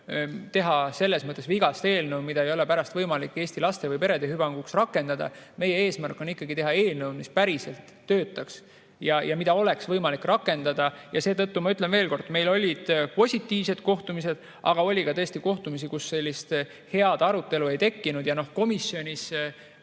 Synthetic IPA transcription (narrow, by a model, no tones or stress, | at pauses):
t̪e̞ɦɑse̞lːe̞smɤt̪ːˑesviɡɑst̪e̞ːlnəwmid̪̥ɑejo̞le̞pæɾɑst̪vɤjmɑlikːˑe̞ːsʲt̪ilɑst̪e̞vɯjpe̞ɾe̞d̪eɦhybɑŋɡ̥uksrɑkːˑe̞nd̪̥ɑd̪̥ɑ̰me̞jee̞ːsmærkːˑo̞nikːɑɡit̪e̞ɦɑe̞ːlnəwd̪mispæɾise̞lt̪ːøːt̪ːˑɑks | jɑjʔɑmid̪̥ɑo̞le̞ksvɤjmɑlikːrɑkːˑe̞nd̪ɑd̪̥ɑjɑse̞ːt̪ɤt̪ːumɑyt̪ˑle̞nve̞ːlko̞rd̪̥me̞jlo̞lʲid̪̥po̞sʲit̪ːˑiːvse̞d̪̥ko̞ht̪umise̞d̪̥ | ʔɑ̰ɡ̥ɑo̞lʲikɑt̪ɤ̞est̪iko̞ht̪umis̬ikusːe̞lʲːist̪ | he̞ɑd̪̥ɑɾut̪ːˑe̞lue̞jt̪e̞kːinud̪̥jɑno̞hko̞misjo̞nʲis